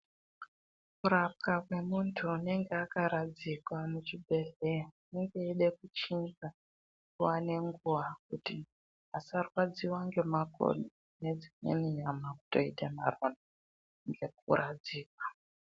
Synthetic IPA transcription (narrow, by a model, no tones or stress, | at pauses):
kuɾap̚kakwe̞muntʰuːne̞ŋɡeakaɾad͡zikwamut͡ʃibʱe̞ɮeneŋɡe̞iɗe̞kut͡ʃinɡa | kuane̞ŋɡuʋak̚uti | asarwad͡ziwaŋɡe̞maɡʱo̰ɗu | ne̞d͡zimḛniɲamaku̥to̞̰itemarona | ŋɡe̞k̚ṵrʔad͡ziːkwḁ